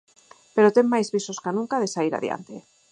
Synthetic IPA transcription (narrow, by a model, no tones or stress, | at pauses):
peɾot̪eŋmajzβisoskanũŋkaðesaiɾa̰ðja̰nt̪e